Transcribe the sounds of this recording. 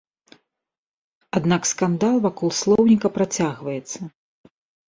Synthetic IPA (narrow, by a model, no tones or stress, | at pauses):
ad̪nakskand̪alˠvakɔlˠslˠɔwnʲikɐpɾat͡sʲaɣvɐjɛt̪sːɐ